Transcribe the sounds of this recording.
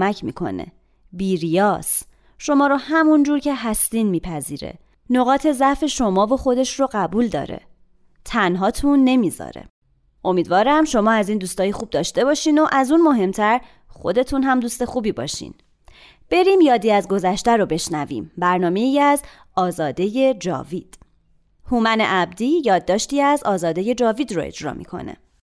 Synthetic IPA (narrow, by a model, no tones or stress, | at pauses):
mæcʰmḭːkʰo̞̰nḛ | biːɾijɒːs | ʃo̞mɒːɾohæmund͡ʒuːɾcʰe̞ɦæst̪iːnmiːpʰæzḭːɾḛ | no̞ɣɒːt̪ʰe̞zæfe̞ʃo̞mɒːvoxo̞d̪e̞ʃroɢæbuːld̪ɒ̰ːɾḛ | t̪ʰænɦɒːt̪ʰunːe̞miːzɒ̰ɾḛ | ʔo̞miːd̪vɒːɾæmʃo̞mɒːæziːnd̪uːst̪ɒːjexuːb̚d̪ɒːʃt̪e̞bɒːʃiːno̞ʔæzunmo̞ɦe̞mt̪ʰæɾ | xo̞̰d̪e̞t̪ʰunɦæmd̪uːst̪e̞xuːbiːbɒ̰ːʃḭn | b̥e̞ɾimjɒːd̪iːæzɡo̞zæʃt̪æɾobe̞ʃnævḭːmbæɾnɒːme̞iæz | ɒːzɒːd̪e̞je̞d͡ʒɒ̰ːviːd̪̥ | humæne̞̰ʔæb̚d̪iːjɒːd̪ːɒːʃt̪iːæzɒːzɒːd̪e̞je̞d͡ʒɒːviːd̪ro̰ḛd͡ʒɾɒ̰ːmʔḭkʰo̰nḛ